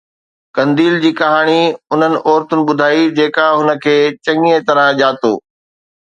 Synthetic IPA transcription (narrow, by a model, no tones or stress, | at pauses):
kɐ̃nd̪iːld͡ʑiːkɐɦaːɽ̃iʊn̤ənɪ̆ʔɔːɾt̪ʊnɪ̆ɓʊd̪ʱaːid͡ʑeːkaɦʊnə̆kʰeːt͡ɕɐ̃ŋiet̪ɐɾə̃ʄaːt̪oː